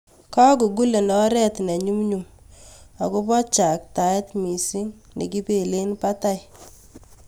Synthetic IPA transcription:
kɔ˦ku˨ɡu˦le˨ndɔ˦ɾɛ˦tnɛ˨ɲu˦mɲu˨m | a˨ko˦pɔ˦t͡ʃa˨k̚ta˨ɛ˦tmi˨si˦ŋnḛ˨ki˦pe˨le˦npa˦ta˦j

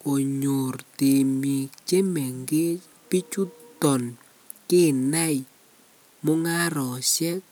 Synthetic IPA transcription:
ko˨ɲo˨rte˨mi˨t͡ʃe˦mɛ˨ŋɡe˦ | pi˦t͡ʃu˦tɔ˨n | ke˦˨na˦j | mɔ˦ŋa˦ɾɔ˨ʃɛ˦k̚

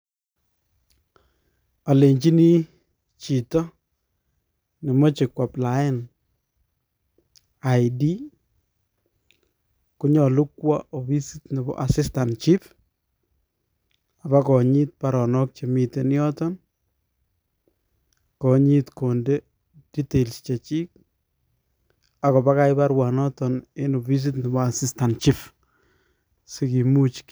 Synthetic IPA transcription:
a˨le˨ɲt͡ʃi˦ni˦ | t͡ʃi˨tɔ˦ | nɪ˨mɔ˦t͡ʃɪ˨kwa˨pla˦ɪ˦n | a˨jdi˦ | kʊ˦ɲɔ˨lu˦kwa˦ʔo˨bi˦sitnɛ˨bɔ̰˦ʔa˨sɪ˦sta˨nt͡ʃi˦p | a˨bakɔ˨ɲi˦t̚paɾɔ˨nɔ˦k̚t͡ʃe˨mi˨te˨ni˦ɔ˦tɔn | kɔ˨ɲi˦tko˨nde˦ | d̥i˦te˨lst͡ʃe˨t͡ʃi˦k̚ | a˨kɔ˨ba˦ka˦jba˦ɾwanɔ˦tɔneno˨βi˦s̬itnɪ˨bɔa˨sista˨nt͡ʃif | se˦ki˨mu˦t͡ʃk

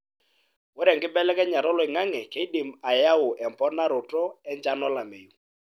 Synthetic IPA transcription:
wɔ˦ɾɛ˨ŋɡɪ˦bɛ˦lɛ˦kɛ˦ɲa˨ɾɔ˦lɔ˨ɪ˨ŋa˦ŋɛ˨ke˨˦i˦di˨ma˨ja˦ʊ˨ʔɛ˨mpɔ˦na˦ɾʊ˨tɔ˦ɛ˦ɲd͡ʒa˦nɔ˦la˨mḛ˨ju˨

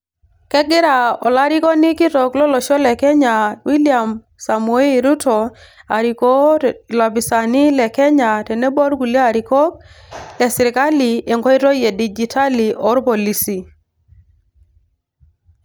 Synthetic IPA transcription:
kɛ˦ɡɪ˦ɾa˨ɔ˨la˦ɾi˦kɔ˦ni˦ki˦tɔ˨klɔ˦lɔ˨ʃɔ˦lɛ˨kɛ˦ɲa˨wi˦lia˨m | sa˨mu˨e˦ɾu˦tɔ˨a˨ɾiko˦˨la˨bi˨sa˨ni˦lɛ˨kɛ˦ɲa˨tɛ˨nɛ˦bɔ˦ɾɡu˨la˨ɾi˨kɔ˦k̚lɛ˨sɪ˨ɾɪ˨ka˦li˨e˨ŋɡɔ˦i˦tɔ˦je˨di˨d͡ʒi˨tʰa˦li˨ɔ˦ɾpɔ˨li˨si˨

